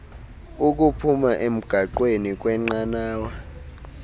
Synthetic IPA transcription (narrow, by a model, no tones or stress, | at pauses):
uk̬upʰumaʔem̩ɡ̥ʱaǃwenik̬ʼwɛŋ͡ǀanaːwa